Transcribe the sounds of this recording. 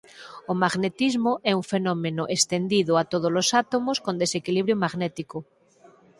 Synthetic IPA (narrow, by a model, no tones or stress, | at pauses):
omaɣnet̪izmoʔɛuɱfenɔmẽnoʔest̪end̪iðoat̪oð̞olosat̪omoskond̪esekiliβɾjomaɣnɛt̪iko